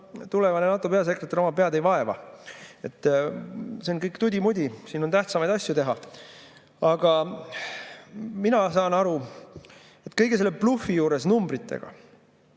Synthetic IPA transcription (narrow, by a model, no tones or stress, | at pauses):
t̪ule̞vɑnenɑt̪ːˑope̞ɑse̞kret̪ːˑeɾo̞mɑpe̞ɑd̪ejvɑe̞vɑ̰e̞t̪ːˑ | seonkɤjkt̪ud̪ʲimud̪ʲisiːno̞nt̪æht̪sɑmɑjd̪̥ɑsjut̪e̞ɦɑ | ɑɡ̥ɑ | minɑsɑːnɑɾu | e̞t̪ːˑkɤ̞jɡ̥ese̞lːeplufijuːɾe̞snumbrit̪ːˑe̞̰ɡ̥ɑ̰